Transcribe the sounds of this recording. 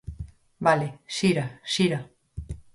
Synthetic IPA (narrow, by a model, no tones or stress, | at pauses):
baleʃiɾaʃiɾa